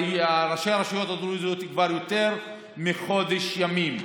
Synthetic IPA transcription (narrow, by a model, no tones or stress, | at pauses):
aɾaʃejaɾaʃijo̞t̪ad̪ɾuzijot̪ikvaɾjot̪eɾ | miχo̞d̪eʃjamim